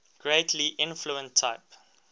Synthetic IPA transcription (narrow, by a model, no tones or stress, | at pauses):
ɡ̥ɹeɪtʰliʔɪ̃nfluə̃ntʰːaɪp